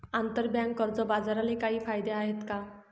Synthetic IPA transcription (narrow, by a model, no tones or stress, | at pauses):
ant̪əɾbjãŋkːəɾd͡zɔbad͡zaɾalekaɦiːfajd̪eaɦet̪ka